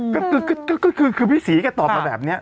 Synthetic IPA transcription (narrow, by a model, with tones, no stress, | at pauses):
kɔ˥˩kʰɯː˧kɔ˥˩kɔː˥˩kɔ˥˩kʰɯː˧kʰɯː˧piː˦˥˨siː˩˦ka˧t̪ɔː˨˩p̚ma˧bɛː˨˩p̚ni˦˥ɐ